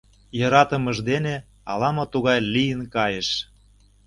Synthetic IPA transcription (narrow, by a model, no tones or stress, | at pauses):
jɤ̆ɾɑt̪ə̆məʒd̪ene | ɑ̰lɑmot̪uɣɑjlijənkɑjeʃ